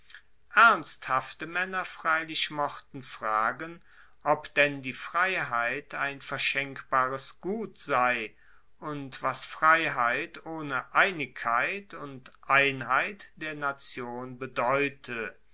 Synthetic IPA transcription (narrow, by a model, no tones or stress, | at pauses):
ʔæɐnsthaftəmɛnɐfʁ̥aɪlɪʃmɔχtn̩fʁ̥aːɡən | ʔɔpd̥ɛndiːfʁ̥aɪɦaɪtʰaɪnfɛɐʃɛŋkb̥aːʁəsɡ̥uːtz̥aɪ | ʔʊntv̥asfʁ̥aɪɦaɪtoːnəʔaɪnɪkʰːaɪtʰʊntʔaɪnɦaɪtd̥eːɐnat͡sjoːnbədɔʏtʰə